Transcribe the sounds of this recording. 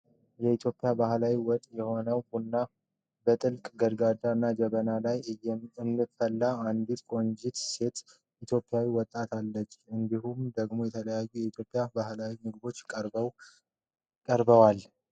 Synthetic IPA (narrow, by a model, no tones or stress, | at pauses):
jɛit̪ʰjo̞pʼːjabahlawiwɔt̪ʼjɛho̞nəwbunːa | bət̪ʼɨlkʼɡəɾɡad̪aɨnːad͡ʒəβənalajɛɨnːɨfəlːaand̪it̪kʼo̞nd͡ʒit̪se̞t̪ | it̪jo̞pʼːɪjawiwɔt̪ʼːat̪ʰalːət͡ʃːɨnd̪ihumd̪əɡmo̞jɛt̪ʰələjajːujɛit̪ʰjo̞pʼːjabahlawimɨɡɨbo̞t͡ʃːʼɾw | kʼəɾbəwal